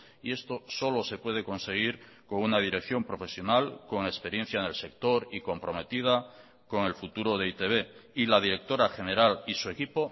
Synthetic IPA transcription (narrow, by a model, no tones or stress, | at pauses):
ie̞st̪o̞so̞lo̞se̞pwe̞ð̞e̞ko̞nse̞ɣ̞iɾ | koŋunað̞iɾe̞kθjo̞mpɾo̞fe̞sjo̞nalko̞ŋe̞spe̞ɾje̞n̟θjaene̞lse̞k̚t̪o̞ɾiko̞mpɾo̞me̞t̪ið̞a | ko̞ŋe̞lfut̪uɾo̞ð̞e̞it̪e̞β̞e̞ilað̞iɾe̞k̚t̪o̞ɾaxe̞ne̞ɾalisuekipo̞